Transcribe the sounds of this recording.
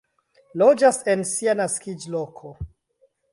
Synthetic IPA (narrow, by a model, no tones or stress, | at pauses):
lod͡ʒase̞nsianaskid͡ʒlokʰo